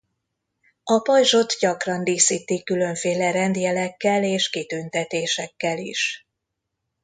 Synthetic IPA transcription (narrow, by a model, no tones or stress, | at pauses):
ɒpɒjʒo̞t̪ɟɒkrɒnd̪iːsiːt̪ikːylø̞ɱfeːlɛɾɛnd̪jɛlɛkːɛleːʃkit̪ynt̪ɛt̪eːʃɛkːɛlḭʃ